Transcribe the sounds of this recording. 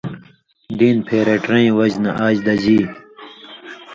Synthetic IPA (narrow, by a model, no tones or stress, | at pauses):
d̪iːnpʰeːɾeʈɾẽĩwɐd͡ʑnɐʔaːd͡ʑd̪ɐd͡ʑiː